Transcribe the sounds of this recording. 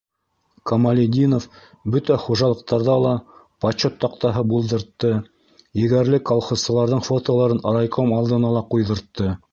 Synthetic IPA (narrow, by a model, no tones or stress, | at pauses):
kɐmɐlʲid̪ʲinof | bɵt̪æχuʒɑlˠɤ̆q̚t̪ɑɾðɑlˠɑpɐt͡ɕːot̪ːɑqt̪ɑɦɤbulˠd̪ɤ̆ɾt̪ːɤ | jɘ̆ɡæɾlɘkolˠχossɤ̆lˠɑɾðɤɴfot̪olˠɑɾɤnɑɾɑjqʰomɑlˠd̪ɤ̆nɑlˠɑqujðɤ̆ɾt̪ːɤ